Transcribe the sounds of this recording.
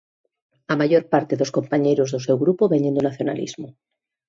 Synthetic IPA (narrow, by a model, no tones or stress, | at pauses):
amaʝoɾpaɾt̪eðoskompaɲejɾozðosewɣɾupoβeɲẽnd̪onaθjona̰lḭzmo